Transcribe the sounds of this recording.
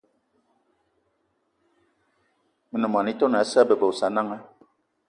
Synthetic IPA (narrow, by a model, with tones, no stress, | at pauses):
mə˨nə˨m˨a˨ni˦to˦na˨˦sa˦bə˨bə˨sa˨˦na˦ŋa˦